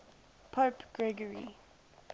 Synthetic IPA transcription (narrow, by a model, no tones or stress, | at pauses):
pʰopɡ̥ɹɛɡəɹḭ